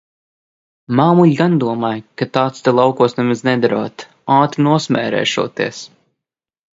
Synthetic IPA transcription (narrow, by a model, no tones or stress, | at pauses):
maːmuʎʲɡand̪uɔmaːjkat̪aːt̪st̪ɛlˠawkuɔsnɛmaznɛd̪aɾṵːt̪ | aːt̪ɾinuɔsmʲɛ̰ːɾɛ̰ːʃṵɔt̪iɛs